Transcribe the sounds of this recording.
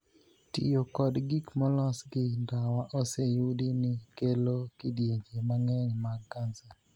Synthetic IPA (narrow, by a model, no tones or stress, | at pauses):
tɪ̰jokɔdɡikmɔlɔsɡɪndawaʔosejʊdinɪkelokɪdjeɲd͡ʒemaŋeŋmakansa